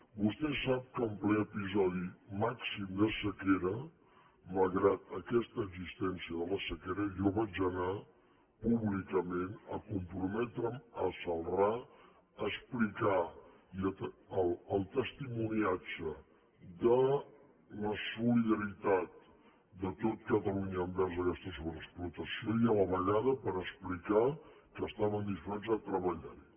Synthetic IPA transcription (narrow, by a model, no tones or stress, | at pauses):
bust̪ɛsap̚kəːmplɛəpizɔðimaksimd̪əsəkeɾə | məlˠɣɾat̪əkɛst̪əɡzist̪ɛnsiəðələsəkeɾəʒɔβad͡ʒəna | puβlikəmenəkumpɾumɛt̪ɾəməsəlˠra | əsplika | iət̪ːləlˠt̪əst̪imuniad͡ʒə | d̪ə | ləsuliðəɾit̪at̪̚ | d̪ət̪ot̪̚kət̪əluɲəːmbɛɾzəkɛst̪əsuβɾəsplut̪əsiojələβəʎaðəpəɾəsplika | kəːst̪aβənd̪ifɾezət̪ɾəβəʎaɾi